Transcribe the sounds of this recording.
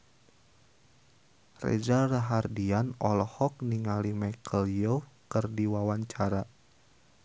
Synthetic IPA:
rḛd͡ʒaraɦardianɔlɔhɔk̚niŋalimɛkʰəljokɨrdiwawaɲt͡ʃaɾa

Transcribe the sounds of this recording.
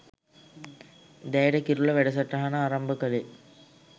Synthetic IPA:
d̪ejɽɐkiɾuɭːɐʋeɽɐs̬ɐʈːɐɦɐnɐarɐmbɐkɐle

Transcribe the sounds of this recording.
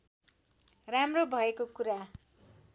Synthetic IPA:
ramrobʱʌekokuɾa

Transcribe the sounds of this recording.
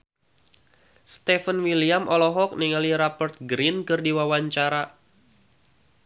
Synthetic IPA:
st̪ɛfənwiliamʔɔlɔɦɔk̚niŋaliɾapərt̪̚ɡɾinkɨrdiwawaɲt͡ʃaɾa

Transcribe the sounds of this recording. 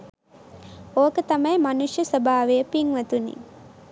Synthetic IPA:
oːkət̪amɐjmanuʂjəsəbʱaːʋejəpiŋʋɐt̪unḭ

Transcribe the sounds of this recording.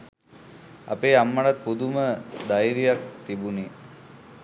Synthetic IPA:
a̰peːamːaɽat̪̚pud̪uməd̪ajiɾijak̚t̪ibune

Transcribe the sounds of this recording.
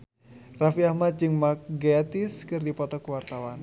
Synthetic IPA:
rafiahmat̪̚d͡ʒɨŋmakɡeat̪iskɨrdipɔt̪ɔkuwart̪awan

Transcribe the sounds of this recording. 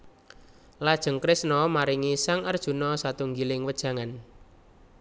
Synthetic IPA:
lad̥ʒ̥ə̤ŋkɾɪsnɔmaɾiŋisaŋərd̥ʒ̥ṳnɔsat̪uŋɡilɪŋwəd̥ʒ̥ä̤ŋan

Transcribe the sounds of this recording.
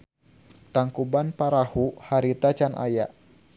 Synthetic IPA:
t̪aŋkubanpaɾahuhaɾit̪at͡ʃanʔa̰jaʔ

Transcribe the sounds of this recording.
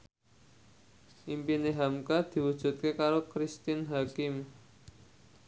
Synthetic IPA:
ʔimpineɦamkad̪̥i̤wud̥ʒ̥ṳt̪̚kekaɾokɾist̪ɪnɦakɪm

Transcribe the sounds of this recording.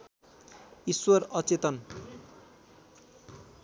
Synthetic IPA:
iswʌrʌt͡set̪ʌn

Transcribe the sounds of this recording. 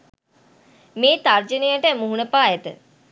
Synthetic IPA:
meːt̪ard͡ʒənejəʈəmuɦunəpaːɛt̪ə̰

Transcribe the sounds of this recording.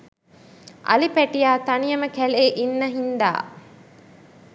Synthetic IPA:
ʔɐ̰lipæʈijaːt̪ɐnijəməkæleːʔinːəɦind̪a̰ː

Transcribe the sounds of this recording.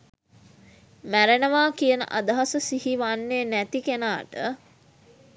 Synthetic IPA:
mæɾenəʋaːkijənə̰ʔad̪əɦasəsihiʋanːenæt̪ikenaːʈə

